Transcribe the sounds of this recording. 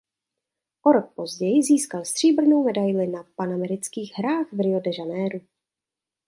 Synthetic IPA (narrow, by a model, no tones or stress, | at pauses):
ʔoɾok̚po̞zɟɛjɪziːskalst̪r̥iːbr̩nowmɛdajlɪnapanamɛɾɪt͡skiːɣɦɾaːxvɾɪo̞dɛʒanɛːɾu